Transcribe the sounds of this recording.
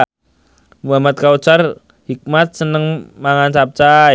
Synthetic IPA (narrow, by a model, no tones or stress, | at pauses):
muɦamat̪̚kaut͡ʃar | hik̚mat̪̚sənəŋmaŋant͡ʃap̚t͡ʃa